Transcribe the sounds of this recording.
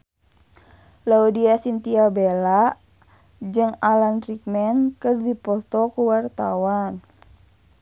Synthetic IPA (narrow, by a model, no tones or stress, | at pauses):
laudiasint̪iabela | d͡ʒɨŋalanɾik̚mɛnkɨrdipɔt̪ɔkuwart̪awan